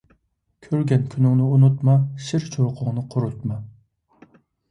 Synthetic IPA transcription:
kʲʰøɾɡʲɛnkʲʰynyŋnɪunut̪mɑʃɪɾt͡ʃʰowqʰʊŋnɨqʰʊɾut̪mɑ

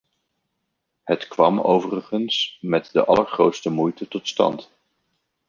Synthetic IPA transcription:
hətkʋɑmo̰wvərəχənsmɛtdə̰ʔɑ̰ləɹχrowtstəmujtətɔtstɑ̰nt

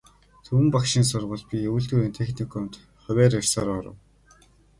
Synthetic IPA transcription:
t̪ʰŭːmpakʃiːnsʊrʁʊ̆ɮpʲiujɮt̪uːɾiːnt̪ʰexnikʰɔmt̪ | χœwʲæːɾarsɔːɾɔɾə̰̆w

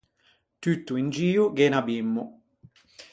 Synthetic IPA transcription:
t̪yt̪ːuind͡ʒiːuɡenabimːʊ

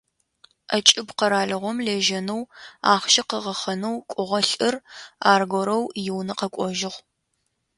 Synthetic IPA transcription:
ʔɐt͡ʃʼɪbqɐɾaːɮɨʁʷɔmɮeːʒɐnɐwaːχʃɪqəʁɐχɐnɐwkʷʼʊʁɐɬʼɨraːrɡoɾɐwjɪwnɐqɐkʷʼɔʒɪʁ

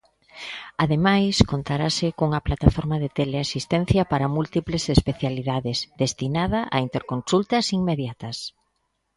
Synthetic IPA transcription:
aðemajskont̪aɾasɪkuŋɐplat̪afoɾmaðet̪eleasist̪ɛn̟θjɐpaɾɐmult̪iplesespeθjaliðaðesðest̪inaðɐʔa̰int̪eɾkõnsult̪ɐsiŋmeðjat̪ɐs

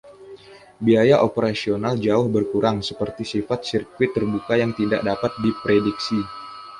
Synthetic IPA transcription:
biajaʔopəɾasionald͡ʒaʊhbərkuɾaŋsəpərt̪isifat̪̚sirkuwɪt̪ːərbukajaŋt̪inda̰ʔdapat̪̚dipɾedik̚si

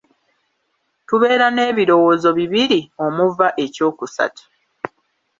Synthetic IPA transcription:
tuβe̞ːɾane̞ːβiɾo̞wozo̞βiβiɾio̞muvaʔe̞co̞ːkusa̰tu̥

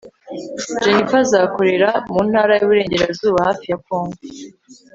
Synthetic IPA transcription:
d͡ʒenifazaːko̞ɾe̞ɾamun̥haːɾajuβuɾe̞ːɲɟe̞ɾazuːβahaːfijakoːŋɡo

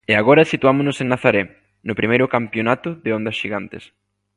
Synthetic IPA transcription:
ɪaɣoɾɐsit̪uamʊnʊsẽŋnaθaɾɛ | nʊpɾimejɾʊkampjonat̪ʊðɪond̪ɐsʃiɣant̪ḛs

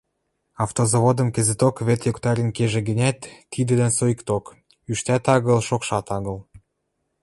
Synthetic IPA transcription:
ɑft̪ozoβod̪ə̆mkĕzĕt̪okβet̪jokt̪ɑɾʲenkeʒĕɡə̆nʲæt̪ːid̪ĕd̪ænsojikt̪ok | yʃt̪æt̪ɑɣɤ̆lʃokʃɑt̪ɑɣɤ̆l

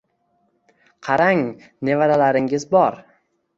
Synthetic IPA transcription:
qʰɑɾaŋ | ne̞vaɾalaɾɪŋɪzbɒɾ

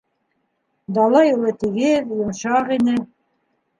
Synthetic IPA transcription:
d̪ɑlˠɑjulˠɤt̪ɘ̆ɡɘðjŏmɕɑʁinɘ

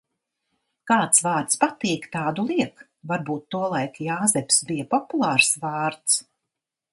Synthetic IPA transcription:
kaːt̪svaːɾt̪spat̪iːkt̪aːd̪ulˠiɛk | vaɾbuːt̪ːuɔlˠajkjaːzɛpsbijapɔpulˠɑːɾsvɑːɾt̪s

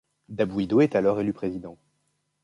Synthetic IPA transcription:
d̪abuid̪oɛt̪alɔʁelypχezid̪ɑ̃

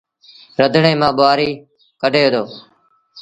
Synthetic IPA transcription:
ɾəd̪ʱɳẽːmãːɓʊaːɾiː | kəɖʱeːoːd̪oː

